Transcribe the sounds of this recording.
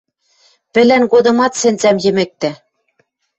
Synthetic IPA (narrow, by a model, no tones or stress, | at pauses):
pɘ̆lænɡod̪ɤ̆mɑt̪sɘ̆nt͡sæmjɘ̆mɘ̆k̚t̪æ